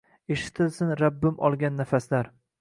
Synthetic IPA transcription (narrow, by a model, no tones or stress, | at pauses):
eʃɪ̥t̪ʰɪlsɪnɾabːɪmʔɒ̰lˠɡʲanːafaslaɾ